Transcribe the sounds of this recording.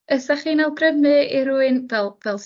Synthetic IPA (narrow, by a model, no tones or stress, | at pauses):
əsaχiːnalˠɡrəvmɨiɾuːɨnvɛlˠvɛlˠs